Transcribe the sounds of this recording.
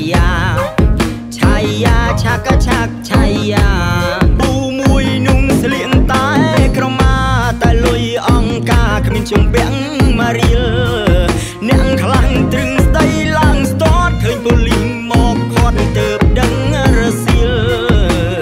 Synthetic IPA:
aː | t͡ɕʰajːaːt͡ɕʰakːat͡ɕʰak̚t͡ɕʰajːaːpuːmuəjnuəŋsliəŋt̪aɛkrɔmaːt̪aɛlujʔɑŋkaːkʰmiənt͡ɕompɛ̆əŋ | maːɾiəl | nɛ̆əʔkʰlaŋt̪rɨŋsɗ̪əjlaəŋst̪oət̪̚kʰːəːɲpoliŋmɔːk̚ʰoət̪̚t̪əːp̚ɗəŋrɔsiəl

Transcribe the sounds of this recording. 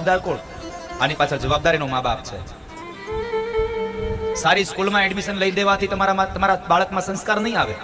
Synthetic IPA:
bd̪aɾkoɽ | a̰nipat͡ʃʰəd͡ʒəʋab̚d̪aɾinomabap̚t͡ʃʰḛ | saɾiskulmãɛɖmiʃənləid̪eʋat̪ʰit̪əmaɾaat̪əmaɾabaɭəkmãsə̃nskaɾnəɦĩaʋe

